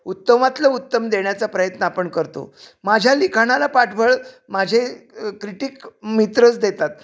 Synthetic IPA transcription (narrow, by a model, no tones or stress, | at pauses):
ut̪ːəmat̪ləut̪ːəmd̪eɳjat͡sapɾəjət̪nəapəɳkəɾt̪o̰mad͡ʑʱjalikʰaɽ̃alapaʈʰbʱəɭ | mad͡ʑʱekɾiʈikmit̪ɾət͡sd̪et̪at̪̚